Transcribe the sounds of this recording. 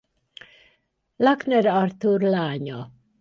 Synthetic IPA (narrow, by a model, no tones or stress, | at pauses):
laknɛɾɑrt̪urlaːɲɒ